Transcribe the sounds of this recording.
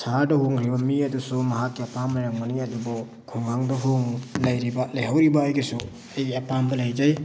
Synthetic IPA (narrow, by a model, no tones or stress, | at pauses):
sadɐɦuŋɾibɐmiɐdusumɐɦakːiapʰamːaɾaŋmaniadubɔ | kʰuŋaŋdɐɦuŋlajɾibalajɦawɾibaːjɡisu | ajɡiapʰambɐlajd͡ʒaj